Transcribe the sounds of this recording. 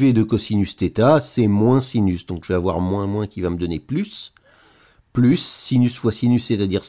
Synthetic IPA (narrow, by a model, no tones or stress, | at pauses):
ved̪əkɔsinyst̪et̪asɛmwɛ̃sinysd̪ɔ̃kʒəvɛavwaʁmwɛ̃mwɛ̃kʲivaməd̪ɔneplys | plysːinysvwasinysːɛt̪ad̪iʁs